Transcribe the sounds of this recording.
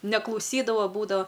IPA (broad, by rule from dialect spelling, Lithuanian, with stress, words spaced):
nʲɛklˠɐʊˈsʲiːdɐʋɐ ˈbuːdɐʋɐ